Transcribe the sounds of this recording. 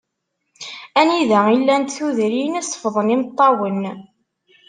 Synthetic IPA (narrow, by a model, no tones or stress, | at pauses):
æniðæilːænt̪θuðɾinisˤːə̥fəðˤənimt̪ˤːɑwən